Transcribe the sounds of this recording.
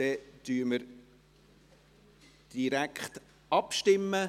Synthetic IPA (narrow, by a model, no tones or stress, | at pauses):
d̥ɛd̥̪yːɾməɾ | d̥iɾækχt | ɑpʃtɪmːə